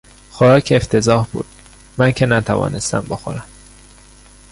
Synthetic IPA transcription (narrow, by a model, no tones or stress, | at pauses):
xoɾɒːcʰeeft̪ʰe̞zɒːhbṵːd̪̥̚ | mæncʰenæt̪ʰævɒ̰ːne̞st̪æ̰mboxo̰ɾæm